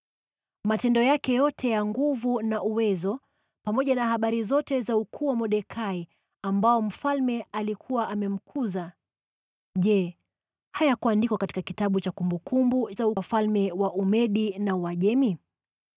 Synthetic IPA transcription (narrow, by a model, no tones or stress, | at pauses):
matɛndɔjakɛjɔtʰɛjaŋɡuvunaʔuwɛzɔ | pamɔʄanahaɓaɾizɔtɛzaukʰuːwamɔɗɛkʰai | ambaɔm̩falmɛalikʰuwaʔamɛm̩kʰuza | ʄɛ | hajakuwandikɔkatikakitaɓut͡ʃakumbukumbuzaufalmɛwaʔumɛɗinawaʄɛmi